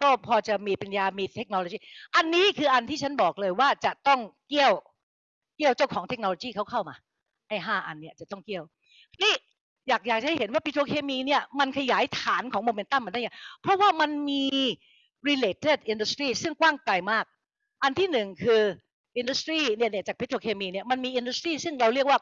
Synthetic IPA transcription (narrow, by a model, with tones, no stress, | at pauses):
kɔː˥˩pʰɔː˧t͡ɕa˨˩miː˧pe˧njaː˧miː˧t̪ʰe˦˥k̚no˧lo˧˩iː˥˩ʔa˧nːiː˦˥kʰɯː˧ʔa˧nt̪ʰiː˥˩t͡ɕʰa˦˥nbɔː˨˩k̚lɤː˧jwaː˥˩t͡ɕa˨˩ʔt̪ɔ˥˩ŋki˥˩əw | ki˥˩əwt͡ɕa˥˩wkʰɔː˩˦ŋt̪ʰe˦˥k̚no˧loː˧jiː˥˩kʰa˦˥wkʰa˥˩wmaː˧ | ʔa˥˩jɦaː˥˩ʔa˧nːi˥˩ɐt͡ɕa˨˩t̪ɔ˥˩ŋki˥˩əw | iː˦˥ | jaː˨˩k̚jaː˨˩k̚a˨˩ha˥˩ɦe˩˦nwaː˥˩pi˧ɾoː˧kʰeː˧miː˧ni˥˩ɐma˧nkʰa˧jaː˩˦jt̪ʰaː˩˦nkʰɔː˩˦moː˧me˧nt̪a˥˩mːa˧˦nda˥˩ja˨˩˦pʰɾɔ˦˥waː˥˩ma˧nmiː˧ | ɾi˧leː˧˩t̪ʰe˥˩t̪̚ʔi˧ndu˧˥st̪ɾiː˥˩sɯ˥˩ŋkwaː˥˩ŋkla˧jmaː˥˩k̚ | ʔa˧nt̪ʰiː˥˩nɯ˨˩ŋkʰɯː˧ | ʔi˧ndu˧˦˥st̪ɾiː˥˩ni˥˩ni˥˩ɐt͡ɕaː˨˩pʰi˦˥t̪ʰːɾoː˧kʰeː˧miː˧ni˥˩ma˧nmiː˧ʔi˧ndu˧˥st̪ɾiː˥˩sɯ˥˩ŋɾa˧wɾi˥˩ək̚waː˥˩